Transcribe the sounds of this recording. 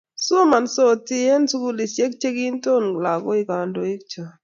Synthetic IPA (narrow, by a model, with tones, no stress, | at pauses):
so˦ma˨nso˦ti˦ɛ˦nsu˦ku˦li˨sje˦k̚t͡ʃe˦ki˦nto˦nla˨ɡo˦i˨ka˨ndo˨i˦k̚t͡ʃa˨